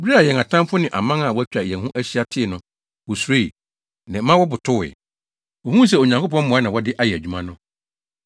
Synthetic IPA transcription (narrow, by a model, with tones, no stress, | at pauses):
bi˦ɾi˦a˨jɛ˨ŋa˨tʰã˦mfʊ˦nɪ̃˨ʔa̰˨mã˦ŋa˨wɔ˦æ˦t͡ɕᶣa˨ɛ˨˦hũ˦ʔæ˦ɕi˦a˦tʰɪ˦˨nʊ̃˨ | wɔ˨su˨ɾe˦i˨ | nã˨˦mã˦wɔ˦bʊ˨tʰʊ˦ɪ̰˨ | wɔ̃˨hũ˦s̬ɛ˨o˨ɲã˨ŋkʰo˦pɔ̃˦m˦mɔ̃˨a˦nã˨wɔ˦dɪ˦ʔa˦˨jɛ˨æ˨d͡ʑᶣu˦mã˦nʊ̃˦